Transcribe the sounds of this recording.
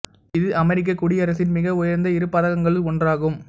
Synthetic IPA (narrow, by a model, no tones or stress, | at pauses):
ɪðɯʔɐmɛɾɪk̬ːɐkːʊɽɪɐɾɐsɪnmɪɣɐʊjɐɾnd̪ɐɪɾɯpːɐːðɐɣɐŋɡɐɭɯlɔndraːɣɯm